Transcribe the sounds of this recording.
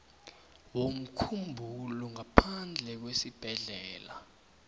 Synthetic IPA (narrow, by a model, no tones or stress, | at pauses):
wom̩kʰumbʱulɔŋapʰand͡ɮʱɛk̬wesib̥ʱɛɮɛːla